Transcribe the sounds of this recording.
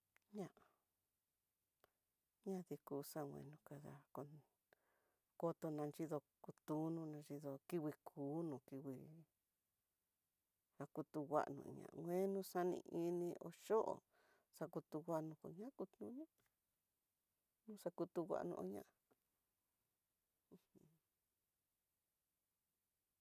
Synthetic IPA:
ɲã˧˦ʔa˨ | ɲã˦ði˧kuː˨˦sã˦˨ŋʷwḛ̃˧nũ˧ka˧ða˧ko˧ | ko˧t̪o˧nã˧nd͡ʒi˦ðo˧ | ku˧t̪u˦nũ˧nã˧nʐi˧ðo˧ki˦wi˧kʰuː˨˦nũ˨ki˧wi˧ | a˧ku˧t̪u˧ɣʷa̰˧ʔnṵ̃˧˨ɲã̰˨˧ŋʷ˧ẽ˦nũ˦˧sa˦nḭ̃˧ʔi˧nĩ˧ʔo̰˧ʃo˦ʔo̰˨ | sa˧ku˧t̪u˧wʷa˧ʔnũ˧ko̰˧ɲã˦ku˧t̪nũ˧˦ɲã˦ | nũ˦sa˧ku˧t̪u˧wʷa̰˧ʔnũ˧ʔo˧˦ɲã̰˧ʔ

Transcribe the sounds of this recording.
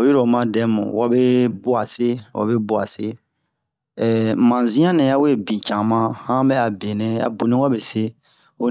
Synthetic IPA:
wi˦ɾo˨mã˦dɛ˨˦mṵ̃˨wa˦be˦bu˦a˨se˦wʔa̰˨be˦bu˦a̰˨se˦ | ɛ˨mã˨zĩ˦ã˦nɛ̃˨ja˦we˦˨bi˨t͡ʃã˨mã˦hã˦bɛ˦a˨be˨nɛ̃˦a̰˨bu˨nĩ˦wa˦be˨se˦ | o˦

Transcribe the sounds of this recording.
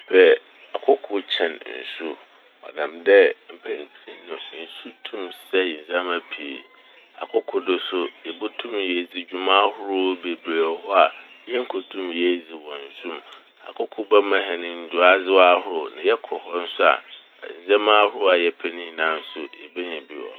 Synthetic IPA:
pʰɛ˦ | a˨kʰʊ˦kʰʊ˦t͡ɕʰɛ̰̃˨nn̩̰˨su˦ | ɔ̰˨nã̰˨mdɛ˦m̩˨pʰɛ̃˦n˦tʰi˦nʊ̃˨˦n̩˨su˦tʰũ˦msɛ˦˨n˨zã˦mã˦pʰi˨ḛ˨ | a̰˨kʰʊ˦kʰʊ˦dʊ˨sʊ˦jɛ˨bʊ˦tʰũ˦mjɛ˨d͡zi˨d͡ʑᶣu˨mãː˦hʊ˦ɾʊ˦be˨bɾa˨hɔ˦a˨ | jɛ˦ŋ̩˦kʰʊ˨tʰũ˦mjɛ˦d͡zi˨wɔ̃˨n̩˨sũ˦m | a̰˨kʰʊ˦kʰʊ˦bɛ˦mã˨ɦɛ̃˨nɪ̃˨n̩˦dʊ˨a˦zɪ˦wa˦hʊ˦ɾʊ˦nã̰˨jɛ˦kʰɔ˨hɔ˦n̩˦sʊ˦a̰˨ | zã˦mã˦hʊ˦ʊ˦a˨jɛ˦˨pʰɛ˦nĩ˦˨nã˨˦n̩˦sʊ˦e˨be˦ɲɛ̃˨bi˦wɔ̰˨

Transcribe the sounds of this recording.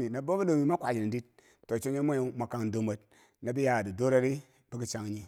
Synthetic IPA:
i˨na˨bo˦bi˦do˨mi˨ma˦kʷa˨d͡ʒi˨n˨di˦t̚ | to˨t͡ʃo˦ɲe˦mo˦˨ma˨ka˨ŋ˨do˨me˨t̚ | na˨bi˦ja˨di˨do˦ɾa˦ɾi˦ | bi˦ki˨t͡ʃa˦ŋ˨ɲi˦

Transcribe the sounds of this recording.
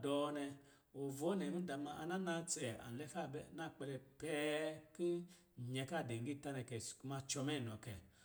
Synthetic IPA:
dɔ˨˧nɛ˧ | o˨vɔ˨˦nɛ˨nu˦da˨ma˧˨a˧na˦na˧t͡sɛ˨a̰˨n˨lɛ˧fa˦˨bɛ˧˨na˦˨k͡pɛ˧lɛ˧pɛ˦ki˦˨ | ɲɛ˧ka˦˨de˨ŋ˨ɡi˦˨ta˦nɛ˧˨kɛ˨sku˧ma˧t͡ʃɔ˧mɛ˦˨n˨ɔ˨kɛ˨

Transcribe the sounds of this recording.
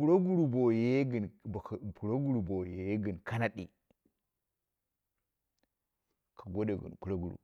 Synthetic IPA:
pu˨ɾo˦ɡu˦ɾu˨bo˨je˨je˦ɡə˨n˨pu˨ɾo˦ɡu˦ɾu˨bo˨je˨je˦ɡi˨nkʰa˦na˦ɗḭ˨ | kʰa˨ɡo˦de˨ɡə̰˨nku˦ɾo˦ɡu˨ɾṵ˨

